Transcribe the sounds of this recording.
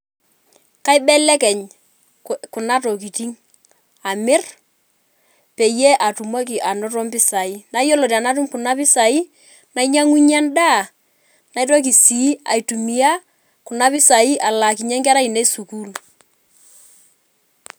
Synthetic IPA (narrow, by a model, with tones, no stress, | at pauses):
ka˦ɪ˦bɛ˦lɛ˦kɛ˨ɲ | kʊ˨na˦to˨ki˨ti˦ŋ | a˨mɪ˦r | pe˨je˦ʔa˨tu˨mo˦k̬ɪ˨ʔa˨nɔ˦tɔ˦mpɪ˦sa˨i˦na˨˦jo˦lo˨ɾi˨a˨na˦t̬u˦mkʊ˨na˦pɪ˦sa˨i˦ | na˨˦iɲa˦ŋu˦ɲa˦nda˦˨ | na˨˦jto˦k̬i˨si˨˦a̰˨jtu˨mi˦a˦ | kʊ˨na˦pɪ˦sa˨i˦ʔa˨la˨ki˨ɲɛ˦ŋkɛ˦ɾa˦i˨ne˦su˨ku˦˨l